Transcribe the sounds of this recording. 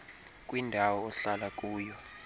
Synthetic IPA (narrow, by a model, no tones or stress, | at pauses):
k̬ʼwindʱawɔːɬalak̬ʼuːjɔ